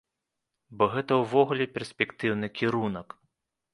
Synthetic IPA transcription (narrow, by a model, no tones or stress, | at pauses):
bɔɣɛt̪ɐwvɔɣulʲɛpʲɛrsʲpʲɛkt̪ɨwnɨkʲiɾunɐk